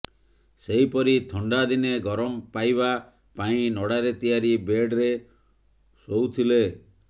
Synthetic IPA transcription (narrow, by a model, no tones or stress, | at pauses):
seɦipɔɾit̪ʰɔɳɖad̪ineɡɔɾɔmpajba | paĩnɔɽaɾet̪ijaɾibeɖɾe | sowt̪ʰile